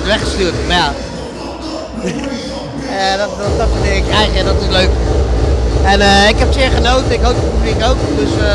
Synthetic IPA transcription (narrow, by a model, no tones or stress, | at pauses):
tʋɛχəstyːrtmaja | ədɔtdɔt̚bədɪːɪkɛjχɛdɔtɪsløɥk | ɛnəɪkɦɛpsɪəɹχənowtəɪkɦowp̚dət̚pyblikowkdɵs